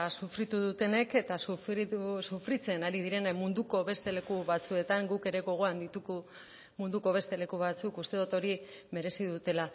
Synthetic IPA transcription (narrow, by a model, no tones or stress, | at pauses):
sufɾit̪uðut̪e̞ne̞ke̞t̪asuiusufɾit͡se̞naɾiðiɾe̞nmund̪uko̞βe̞st̪e̞le̞kuβat͡sue̞t̪aŋɡuke̞ɾe̞ɣo̞ɣ̞o̞and̪it̪uɣu | mund̪uko̞β̞e̞st̪e̞le̞kuβ̞at͡sukust̪e̞ðut̪o̞ɾime̞ɾe̞siðut̪e̞la